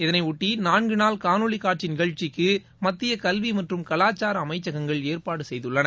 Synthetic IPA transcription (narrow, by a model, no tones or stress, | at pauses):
ɪðɐnɐɪʊʈːinaːnɡɯnaːlkaːnɯɭikaːʈ̚t͡ʃinɪɣɐɭt͡ʃɪkːɯ | mɐt̪ːɪjɐkɐlʋimɐʈrɯmkɐlaːt͡ʃːaːɾɐɐmɐɪt͡ʃːɐɣɐŋɡɐɭeːɾpaːɽɯsɛjðɯɭːɐnɐ